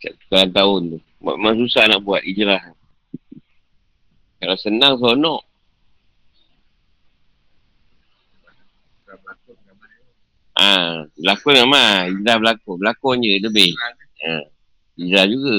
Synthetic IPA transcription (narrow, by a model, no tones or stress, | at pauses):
saʔt̪u̥kalant̪aʊnt̪u | ba̰ʔmas̬usahnaʔbuat̪̚id͡ʒɾaɦ | kalasənaŋs̬onɔʔ | bak | a | abəlakɔnŋamaid͡ʒɾahbəlakobəlakɔnd͡ʒələbɪh | ə | id͡ʒɾahd͡ʒuɡa